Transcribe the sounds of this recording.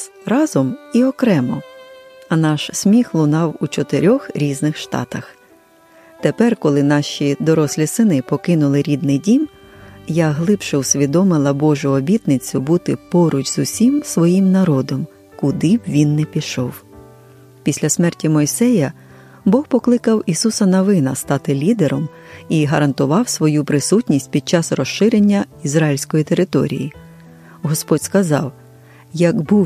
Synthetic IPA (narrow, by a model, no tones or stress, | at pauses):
ɾɑzɔmiɔkɾɛmɔ | ɐnɑʃsʲmʲixlˠʊnɑwut͡ʃɔt̪eɾʲɔxɾʲiznɪxʃt̪ɑ̰t̪ɐx | t̪epɛrkɔlˠɪnɑʃʲid̪ɔɾɔslʲisɪnɪpɔkɪnʊlˠɪɾʲid̪̚nɪjdʲimjaɦlˠɪpʃɛwsʲʋʲid̪ɔmɪlˠɐbɔʒʊɔbʲit̪nɪt͡sʲʊbut̪ɪpɔɾʊt͡ʃzʊsʲimsʋɔjimnɐɾɔd̪ɔm | kʊd̪ɪbʋʲinːɛpʲiʃɔw | pʲisʲlʲɐsmɛrtʲimɔjsɛjɐ | bɔxpɔklˠɪkɐwisusɐnɐʋɪnɐst̪ɑt̪ɪlʲid̪eɾɔm | iɦɐɾɐnt̪ʊʋɑwsʋɔjupɾɪsutʲnʲisʲtʲpʲid̪̚t͡ʃɑsrɔʃːɪɾenʲːɐizɾɑjilʲsʲkɔjit̪eɾɪt̪ɔ̰ɾʲḭji | ɦɔspɔdʲskɐzɑ̰w | jɐɡbuw